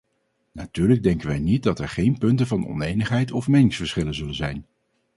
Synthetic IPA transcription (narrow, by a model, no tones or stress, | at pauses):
natyːɹləɡ̚dɛŋkəʋɛjnit̚dɑtɛɹχejnpɵntəvɑnɔ̰nejnəχɦɛjtɔfmejnɪŋsfəɹsχɪlənzɵlənzɛjn